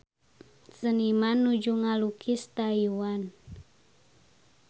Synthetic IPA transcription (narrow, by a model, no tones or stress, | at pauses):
sənimanːud͡ʒuŋalukʰist̪ajuwan